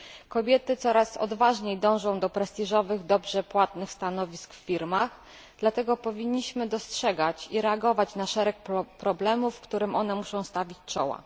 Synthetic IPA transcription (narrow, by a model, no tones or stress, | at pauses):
kɔbʲjɛt̪ɘt̪sɔɾasɔ̰d̪vaʐɲejd̪ɔ̃w̃ʐɔ̃w̃d̪ɔpɾɛst̪iʐɔvɘɣd̪ɔbʐɛpwat̪nɘxst̪anɔvʲiskffʲiɾmax | d̪̥lat̪ɛɡɔpɔvʲiɲːiɕmɘd̪ɔstʂɛɡat͡ɕiɾɛaɡɔvat͡ɕnaʂɛɾɛk̚pɾɔblɛmufːkt̪uɾɘmʔɔn̪ɛmuʂɔ̃w̃st̪avʲit͡ɕt͡ʂɔ̰wa̰